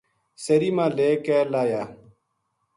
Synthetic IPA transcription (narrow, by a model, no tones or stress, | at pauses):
səɾiːmãːleːkɛːlaːjaː